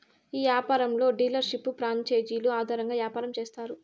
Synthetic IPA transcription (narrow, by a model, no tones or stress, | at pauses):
iːʋjaːpaːɾɐmlo̞ːɖiːlɐɾʃipːupɾaːɲt͡ʃeːd͡ʒiːluaːd̪ʱaːɾɐŋɡaːʋjaːpaːɾɐmt͡ʃeːst̪aːɾu